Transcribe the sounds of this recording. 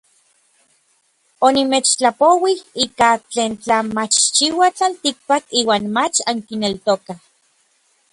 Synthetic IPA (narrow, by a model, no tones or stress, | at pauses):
onimeːt͡ʃt͡ɬapowihiːkat͡ɬeːnt͡ɬamat͡ʃt͡ʃiwat͡ɬalt̪ik̚pakiːwaːnmat͡ʃaŋkinelt̪okah